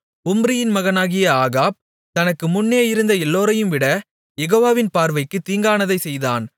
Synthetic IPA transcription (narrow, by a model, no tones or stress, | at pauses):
ʊmbɾɪjɪnmɐɣɐnaːɣɪjɐaːɣaːp̚ | t̪ɐnɐkːɯmʊnːeːjɪɾɯnd̪ɐɛlːoːɾɐjɯmʋɪɽɐ | jɛɣoːʋaːʋɪnpaːɾʋɐɪkːɯt̪ːiːŋɡaːnɐðɐɪsɛjða̰ːn